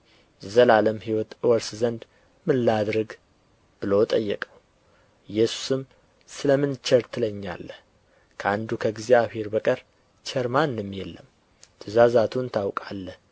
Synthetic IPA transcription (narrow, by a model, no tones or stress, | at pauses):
zəlaləmhiwɔt̪ɨwɔɾszənd̪ | mɨnlad̪ɾɨɡ | b̥ɨlot̪ʼəjːɛkʼəw | jɛsu̥sɨm | sɨləmɨnt͡ʃːəɾt̪ʰɨləɲːa̰lːəh | kʰəand̪ukʰəɡzijaβhe̞ɾbəkʼəɾ | t͡ʃɛɾmanːɨmjɛlːəm | t̪ʰɨzazat̪ʰunt̪ʰawkʼalːəh